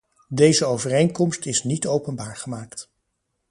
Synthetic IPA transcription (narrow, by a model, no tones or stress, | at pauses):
dejzəowvərejŋkɔmstɪsnitowpənbaːɹχəmaːkt